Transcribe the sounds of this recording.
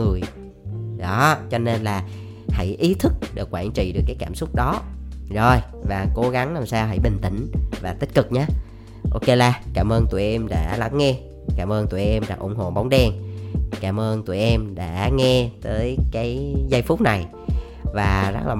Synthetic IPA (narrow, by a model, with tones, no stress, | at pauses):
ɨ˨˩əj | ɗɔ˨˦t͡ɕɔ˧ne˧nlaː˨˩ | hə̰˧˥jʔi˨˦t̪ʰɨ˦˥k̚ɗɨ˨˩əkːwaː˧˩nt͡ɕḭ˧˨ɗɨ˨˩əkːjkaː˧˩msʊ˦˥k͡p̚ɗɔ˨˦zo˨˩j | vaː˨˩ko˨˦ɣa˨˦ŋnaː˨˩msaː˧wɦa̰˧˩jɓï˨˩ŋ̟t̪ï˧˩˨ŋ̟vaː˨˩t̪ï˦˥k̟̚kɨ˨˩k̚ɲaː˨˧˦ | ʔo˧ke˧laː˧kaː˧˩mʔəː˧nt̪u˨˩jɛ˧mɗa̰ː˧˥la˨˦ŋŋɛ˧ | kaː˧˩mʔəː˧nt̪u˨˩jʔɛ˧mɗa̰ː˧˥ʔʊ̰˧˩ŋ͡mɦo̰˧˨ɓa˨˦wŋ͡mɗɛ˧ŋkaː˧˩mʔəː˧nt̪u˨˩jʔɛ˧mɗa̰ː˧˥ŋɛ˧t̪əː˨˦jkaː˨˦jzə˧jfʊ˦˥k͡p̚na˨˩j | vaː˨˩zə˦˥k̚laː˨˩